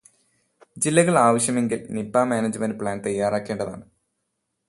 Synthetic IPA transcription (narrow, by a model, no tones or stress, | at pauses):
d͡ʑilːɐɣɐɭaːʋɐɕjɐme̞ŋɡilnipːaːmaːnɐd͡ʑɨmɐnd̚pɭaːnt̪ɐjːaːraːkːeːɳɖɐða̰ːɳɨ